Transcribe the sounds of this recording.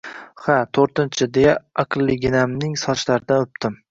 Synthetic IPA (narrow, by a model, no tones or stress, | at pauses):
hat̪ʰoɾt̪ɪnt͡ʃʰɪd̪ejaaqlˠːɪɡʲɪnamnɪŋsɒt͡ʃlaɾɪd̪anɵp̚t̪ʰɪm